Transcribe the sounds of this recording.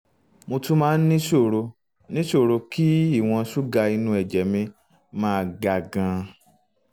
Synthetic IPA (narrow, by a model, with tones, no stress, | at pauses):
mo˧tũ˦mãː˦n̩˦nĩ˦ʃo˦˨ɾo˧ | nĩ˦ʃo˦˨ɾo˧ki˦i˦˨w̃ɔ̃˧ʃu˦ɡa˧i˧nũ˧˦ɛ˨d͡ʒɛ˨˦mĩ˧ | mãː˦˧ɡa˨ɡã˧